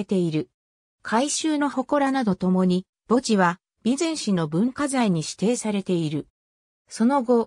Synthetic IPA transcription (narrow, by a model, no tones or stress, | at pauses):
et̪e̞iɾɯ̟ | kʰaiɕɨːno̞ho̞ko̞ɾanad̪o̞t̪o̞mo̞ɲ̟i | b̥o̞t͡ɕiβa | bʲizẽɰ̃ɕino̞bɯ̟̃ŋkazaiɲ̟iɕi̥t̪e̞ːsaɾe̞t̪e̞iɾɯ̟ | so̞no̞ɡo̞